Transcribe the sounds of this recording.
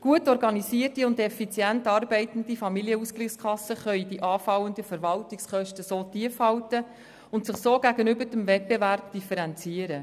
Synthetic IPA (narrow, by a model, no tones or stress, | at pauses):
ɡ̥uətɔɾɡɑnisiərtiʊndɛfit͡sjæntɑːrbɛɪtən̩d̥ifɑmiliəuskliχskʰɑsːəχœʏdiʔɑːfɑwəndəfəɾʋɑltiksχœʃtəsoːtiəfhɑwtə | ʊntsɪχsoːɡ̥æɡənʏbəɾdəmvɛt̚beværp̚d̥ifəɾɛnt͡siəɾə